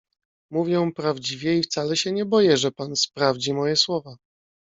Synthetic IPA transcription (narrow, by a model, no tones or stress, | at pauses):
muvʲjɛ̃pɾavd͡ʑivʲjɛift̪salɛɕɛɲɛbɔjɛʐɛpanspɾavd͡ʑimɔjɛswɔva